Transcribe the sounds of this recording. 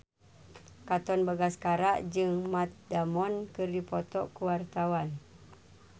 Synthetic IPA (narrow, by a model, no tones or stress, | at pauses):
kat̪ɔnbaɡaskaɾaʔd͡ʒɨŋmat̪̚damɔnkɨrdipɔt̪ɔʔkuwart̪awan